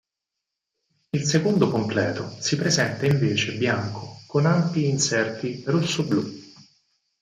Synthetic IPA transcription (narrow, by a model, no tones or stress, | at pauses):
ilsekond̪okomplɛ̰ːt̪osipɾezɛnt̪aiɱveːt͡ʃebjaŋkʰokonampiːnsɛrt̪irosːoblu